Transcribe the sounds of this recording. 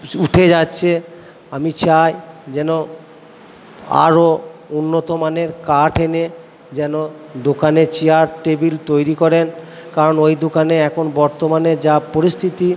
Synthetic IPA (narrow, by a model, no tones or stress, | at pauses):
uʈʰed͡ʑatːɕʰe | amit͡ɕajd͡ʑɛno | a̰ɾounːot̪omaneɾkaʈʰene | d͡ʑɛno | d̪okanet͡ɕiaɾʈebilt̪ojɾikɔɾenkaɾonojd̪okaneɛkʰonbɔɾt̪omaned͡ʑapoɾist̪ʰit̪i